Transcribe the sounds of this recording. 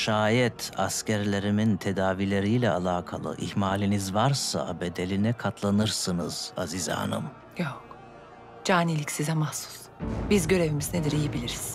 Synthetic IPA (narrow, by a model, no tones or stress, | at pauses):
ʃaːjɛt̪ʰascæɾlʲe̞ɾimint̪ʰe̞d̪aːvilʲe̞ɾijlʲɛalˠaːkʰa̰lˠɯ̰ʔḭhmaːlʲinizvaɾsa̰be̞d̪e̞lʲinɛkʰat̪ʰlˠanɯɾsɯnɯz̥aziza̰ːnɯ̰m | jok | d͡ʒaːnilʲicsizɛmahsu̥s | bizɟø̞ɾe̞vimizned̪iɾijibilʲiɾiz̥